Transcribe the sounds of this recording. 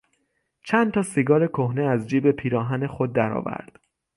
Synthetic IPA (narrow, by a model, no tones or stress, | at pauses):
t͡ʃʰænd̪t̪ʰɒːsiɡɒːɾekʰohneæzd͡ʒiːbe̞pʰiːɾɒːɦæne̞xod̪ːæɾɒ̰ːvæ̰ɾd̪̥